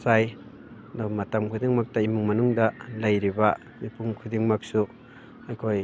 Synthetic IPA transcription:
saj | domatamkʰudiŋmak̚tɐimuŋmɐnuŋdɐlɐjɾiba | mipuŋkʰudiŋmak̚su | ajkʰoj

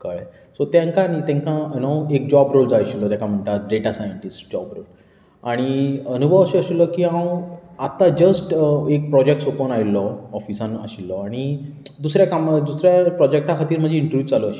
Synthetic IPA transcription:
kə̰ɭ | sot̪jãŋkanit̪jãŋkãnoek̚d͡ʑɔbɾold͡zajɕilːɔt̪jãkam̤əɳʈaɖeʈasajəɳʈisʈd͡ʑɔbɾo̰l | aɽ̃iənubʱəʋəɕiəɕilːɔkiːɦãwat̪ad͡ʑəsʈek̚pɾɔd͡ʑek̚ʈsoponailɔɔfisãnəɕilːɔaɽ̃id̪usɾjakamd̪usɾjapɾɔd͡ʑek̚ʈakʰat̪iːɾm̤əd͡ʑʱiiɳʈɾʋud͡zalɔəɕi̥

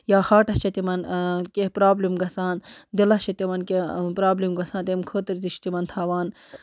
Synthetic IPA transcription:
jaːhaːʈɐst͡ʃʰɐt̪imɐnkehpɾaːblimɡɐsaːnd̪ilɐst͡ʃʰɐt̪imɐnkepɾaːblimɡɐsaːnt̪emkʰoːt̪ɐɾt̪it͡ʃʰi̥t̪imɐnt̪ʰaːʋaːn

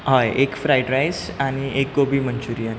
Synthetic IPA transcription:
ɦajekfɾajʈɾajsaɽ̃iek̚ɡobʱiːmənt͡ɕuɾian

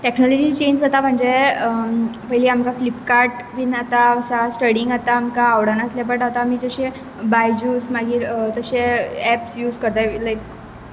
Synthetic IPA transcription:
ʈeknɔlɔd͡ʑiːt͡ɕend͡zat̪am̤əɳd͡zeəpəjliamkaflipkaɾʈ | ʋinat̪aəsasʈəɽiŋɡat̪aːmkaːʋɽanasljap̬əɳʈat̪amiːd͡zəɕe | bajd͡ʑuːsmaɡiːɾt̪əɕeɛpsjuːd͡zkəɾt̪alajk

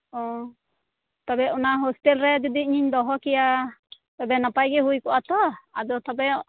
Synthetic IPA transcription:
ɔ | t̪abɛʔɔnaɦosʈɛlɾɛd͡ʒɔd̪iɲiɲd̪ɔɦɔkɛja | t̪ɔbɛnapajɡɛɦujkɔʔat̪ɔad̪ɔt̪ɔbɛɔ

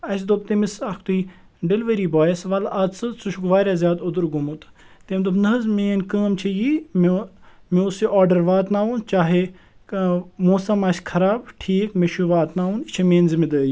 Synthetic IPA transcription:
ɐsd̪op̚t̪emisɐkʰt̪ui | ɖeliʋɐɾiːbɔːjesʋɐlɐt̪t͡sɨsuʃʰukʋaːɾʲaːzjaːd̪od̪uɾɡumut̪ | t̪emd̪obnɐɦzmeːnkəːmt͡ʃʰijiːmmiosiʔɔːɾɖɐɾʋaːt̪naːunt͡ʃaːɦe | moːsɐmɐskʰɐɾaːbʈʰiːkmeʃuʋaːt̪naːunt͡ʃʰimeːnzimid̪əːji

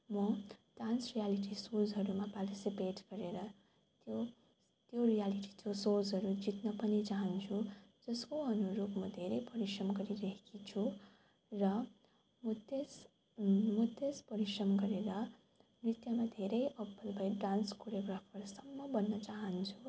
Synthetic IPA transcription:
mʌɖansrijaliʈ̬isold͡zɦʌɾumaparʈisipeʈɡ̥ʌɾeɾʌ | t̪jo | t̪jorijaliʈi̥t̪osold͡zɦʌɾud͡zit̪nʌpʌnit͡saɦʌnt͡sʰud͡zʌskoʌnuɾobmʌd̪ʱeɾʌjpʌɾisrʌmɡʌɾiɾʌɦekit͡sʰu | rʌ | mt̪es | mʌt̪espʌɾisrʌmɡʌɾeɾʌ | mrit̪jʌmad̪ʱeɾʌjʌbːʌlbʱʌjɖanskoɾeɡrapʰʌrsʌmːʌbʌnːʌt͡saɦʌnt͡sʰu

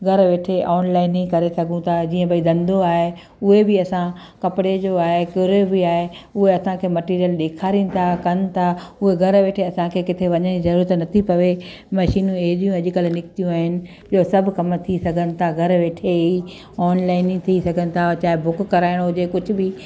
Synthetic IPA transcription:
ɡʱɐɾʋeːʈʰeʔɔːnlaːɪnĩkɐɾesɐɡʱũt̪ʰad͡ʑiːə̃bɐid̪ɐ̃nd̪oaːɦe | ʊɦebɪɐsã | kɐpɪɽed͡ʑoaːɦekɪɾebɪaːɦeʊɦeɐsãkʰeːmɐʈiːɾijəlɗeːkʰaːɾinɪ̆t̪ʰakɐnɪ̆t̪ʰaʊɦeɡʱɐɾʋeːʈʰeɐsãkʰeːkɪt̪ʰeʋɐɲənd͡ʑizɐɾuːɾət̪nɐt̪ʰipɐʋe | mɐʃiːnũeɦɗijũɐʄkəlnɪkt̪ijũaːɦɪnɪ̆ | iosɐbʱʊkɐmt̪ʰisɐɡʱənɪ̆t̪ʰaɡʱɐɾʋeːʈʰei | ɔːnlaːɪnĩt̪ʰisɐɡʱənɪ̆t̪ʰat͡ɕaːɦɪbʊkːɐɾaːɪɽ̃oʊd͡ʑekʊd͡ʑʱʊ̆bɪ

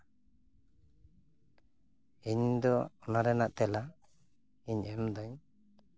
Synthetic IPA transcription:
iɲd̪ɔɔnaɾɛnaʔt̪ɛla | iɲɛmd̪ɔɲ

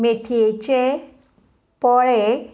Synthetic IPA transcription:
meʈʰiet͡ɕe | pɔɭe

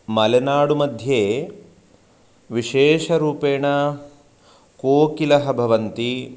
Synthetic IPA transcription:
mɐlenaːɽumɐd̪ʱjeː | ʋiʃeːʃɐɾuːpeːɳɐ | koːkilɐɦɐbʱɐʋɐnt̪i

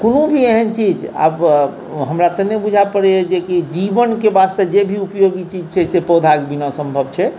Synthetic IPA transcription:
konũbʱieɦənt͡ʃid͡ʒa̰b | ɦəmɾat̪ənebud͡ʒʱapəɽɛed͡ʒekid͡ʒibənkebast̪əd͡ʒebʱiupjoɡit͡ʃid͡ʒt͡ʃʰɛsepod̪ʱaɡbinɔ̃səmbʱəb̚t͡ʃʰɛ

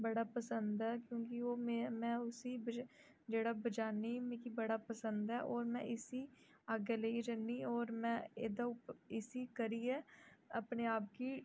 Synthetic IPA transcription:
bəɽaːpəsənd̪ɛːkjõːkɪoːmemɛ̃ːʊsiːb | d͡ʒeːɽaːbəd͡ʒaːniːmẽːkibəɽaːpəsənd̪ɛːʔɔːɾmɛ̃ːʔɪsiː | aːɡeləiɾənːiːɔːɾmɛ̃ːeːd̪aʊpɪsiːkəɾiːɛːəpneːaːp̚kiː

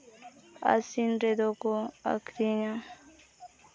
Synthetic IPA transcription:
a̰sinɾed̪okoa̰kʰɾiɲã

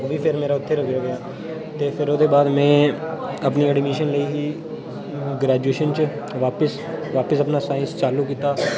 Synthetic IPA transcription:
oːʋiːpʰɪɾmeːɾaːʊt̪ʰːeːɾoːɡjaːɡɪjaː | t̪eːpʰɪɾoːd̪eːbaːd̪mɛ̃ːəpniːɛːɖimeːʃənləiːɦiː | ɡɾaːd͡ʒueːʃənt͡ʃ | ʋaːpəs | ʋaːpəsəpnaːsaːɪənst͡ʃaːluːkiːt̪aː

